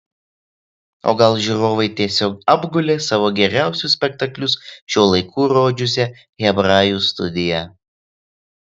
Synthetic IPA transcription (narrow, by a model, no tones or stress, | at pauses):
o̰ːɡɐlˠʒʲuɾoːʋɐɪt̪ʲiɛsʲoːkɐbɡʊlʲeːsɑːʋoːɡʲɛɾʲæˑʊsʲʊsʲpʲɛkt̪ɐklʲʊsʃʲoːlˠɐɪkuːɾoːd͡ʒʲʊsʲɛ | ɣʲɛbɾɑːjuːst̪ʊ̰d̪ʲɪjɛ